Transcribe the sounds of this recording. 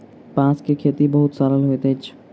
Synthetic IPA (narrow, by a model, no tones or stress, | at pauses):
pãːskekʰeːt̪ibɐɦʊt̪saɾəlɦoet̪eːt͡ʃʰ